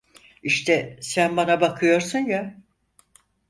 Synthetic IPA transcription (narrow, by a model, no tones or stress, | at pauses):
iʃt̪ʰɛsænbanabakʰɯjo̞ɾsɯnja